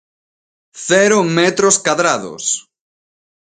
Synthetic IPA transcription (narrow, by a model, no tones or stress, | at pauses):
θɛɾomɛt̪ɾoskaðɾaðo̰s